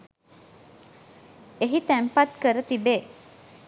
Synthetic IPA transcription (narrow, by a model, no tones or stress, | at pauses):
eɦit̪æmpat̪kəɾət̪ibeː